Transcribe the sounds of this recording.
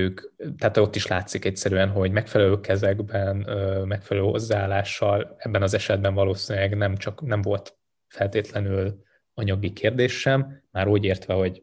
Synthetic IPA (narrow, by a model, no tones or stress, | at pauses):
øːkt̪ɛɦːt̪o̞t̪ːiʃlaːt̪sikɛcsɛɾyːɛnɦo̞ɟmɛkfɛlɛløːkɛzɛɡbɛnøːmɛkfɛlɛløːho̞̰zːaaːlːaːʃːɒlɛbːɛnɒzɛʃɛd̪̚bɛɱvɒloːsiːnlɛɡnɛmt͡ʃɒknɛɱvo̞lt̪ | fɛlt̪eːt̪lɛnyl | ɒɲɒɡikʰeːrd̪eːʃːɛmːaːɾuːɟeːrt̪ʋɛho̞ɟ